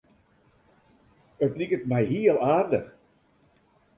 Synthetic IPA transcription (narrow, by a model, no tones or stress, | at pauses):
ətlikətmɛjɦiəlˠaːrdəx